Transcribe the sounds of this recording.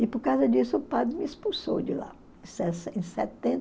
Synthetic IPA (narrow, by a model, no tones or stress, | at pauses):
ɪpʊɾkawzɐd͡ʒisʊʊpad̪ɾɪmɪispuso̰wd͡ʒɪlã̰ | sɛsẽsɛ̰t̪ẽ